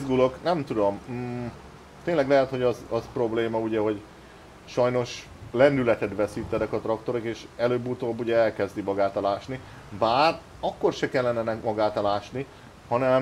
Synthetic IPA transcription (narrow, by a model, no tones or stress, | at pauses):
zɡuloknɛmt̪ud̪o̞m | t̪eːnlɛɡlɛɦɛt̪ho̞ɟɒzɒzpro̞bleːmɒuɟɛɦo̞ɟ | ʃɒjno̞ʃ | lɛnd̪ylɛt̪ɛt̪ʋɛsit̪ːɛnɛkɒt̪rɒkt̪o̞ɾokeːʃɛløːbːut̪oːbːuɟɛɛlkɛzd̪imɒɡaːt̪ɒlaːʃni | baːr | ɒkːo̞rʃɛkɛlːɛnɛnɛmɒɡaːt̪ɒlaːʃni | hɒnɛm